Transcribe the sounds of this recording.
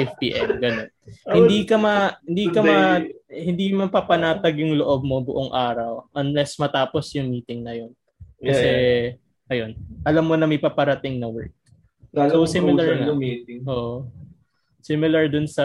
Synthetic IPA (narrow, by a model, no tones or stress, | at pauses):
fpiːʔɛ̰mɡɐnonhɪnd̪ikɐmɐɪnd̪iːkɐmɐhɪnd̪imɐpapɐnaːt̪ɐɡ̚jʊŋloʔob̚mobʊʔoŋʔaːɾɐwʔɐnlɛsmɐt̪aːpo̞sjʊŋmiːt̪ɪŋnɐjon | kɐsɛ | ʔɐjo̞nʔɐlɐmːonɐmɐjpapɐɾɐt̪ɪŋnɐwɛ̰ɹk̚ː | sowsɪmɪlɐɹnɐit̪ʔoːʔo | sɪmɪlɐɹd̪ʊnsɐ